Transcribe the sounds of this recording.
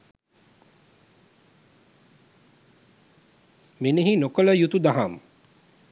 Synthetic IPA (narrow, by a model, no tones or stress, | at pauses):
mineɦinokələjut̪ud̪aɦam